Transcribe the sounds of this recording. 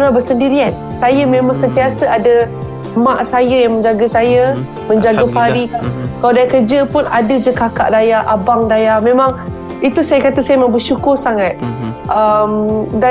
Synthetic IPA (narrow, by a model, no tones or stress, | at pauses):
ɾabərsəndiɾian | sajəmẽmaŋsənt̪iasəʔadə | maʔsajajaŋmə̃ɲd͡ʒaɡəsajə | mə̃ɲd͡ʒaɡapaɾikakaladajakərd͡ʒəpʊnadəd͡ʒəkaka̰ʔdajaʔabaŋdajahmẽmãŋ | it̪usajakat̪asajəmə̃biʃukʊrsaŋat̪̚ʔəmda